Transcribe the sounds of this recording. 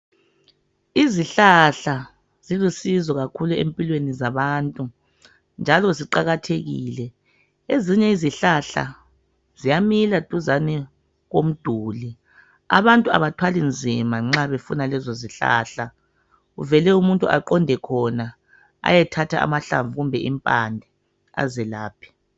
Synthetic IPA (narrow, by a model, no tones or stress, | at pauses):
iziɬaɬa | z̥ilusizɔɣakʰuluḛmpʼilwenizaβaːntʼu | nd͡ʒʱalɔziǃaɣatʰeɣḭːlɛ | eziɲɛiziɬaɬa̰ | zijamilatʼuzani | ɣom̩d̥ʱuːli | a̰βantʼua̰βatʰwalind͡zʱimaŋ͡ǁaβefunalɛzɔziɬa̰ɬa | uvɛlɛumuntʼṵa̰ǃɔndʱɛkʰɔna | a̰jɛtʰatʰaa̰maɬa̰ɱvuɣumbʱɛʔimpʼandʱɛ | a̰zɛlaːpʰi̥